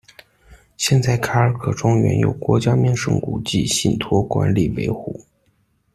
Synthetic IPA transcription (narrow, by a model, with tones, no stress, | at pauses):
ɕjɛ˥˧nt͡sa˥˩ɪkʰa˥ə˞˨˧˥kʰɤ˨˩ʈ͡ʂʊ˥ŋɥɛ̰˧˥njo̰˨˩ʊkwɔ˧˥t͡ɕja˥mjɛ˥˧nʂɤ̰˥ŋkṵ˨˩t͡ɕḭ˥˧ɕi˥˩nt̪ʰwɔ˥kwa̰˧˥nli˨˩we˧˥ɪxu˥˩˦